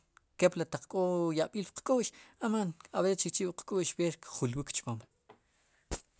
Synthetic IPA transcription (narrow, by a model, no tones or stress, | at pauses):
keplat̪aq͡χkʼojaʔɓiːlpqkʼuʔʃamanawet͡ʃik̚t͡ʃiʔɓqkʼuʔʃweɾkχulwikt͡ʃpam